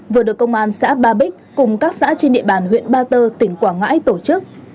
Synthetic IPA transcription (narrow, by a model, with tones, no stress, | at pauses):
vɨ˨˩əɗɨ˨˩əkːə˧wŋ͡mʔaː˧nsa̰ː˧˥ɓaː˧ɓi˦˥k̟̚kʊ˨˩ŋ͡mkaː˦˥k̚sa̰ː˧˥t͡ɕe˧nɗḭ˧˨əɓaː˨˩nɦwḭ˧˨ənɓaː˧t̪əː˧t̪ï˧˩ŋ̟kwaː˧˩ŋa̰ː˧˥jt̪o˧˩t͡ɕɨ˦˥k̚